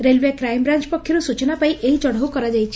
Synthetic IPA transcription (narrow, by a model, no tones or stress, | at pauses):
ɾelʋekɾajmbɾant͡ʃpɔkʰːjɔɾusut͡ʃɔnapaiʔeɦid͡ʒɔɽ̤ɔwkɔɾad͡ʒajt͡ʃʰi̥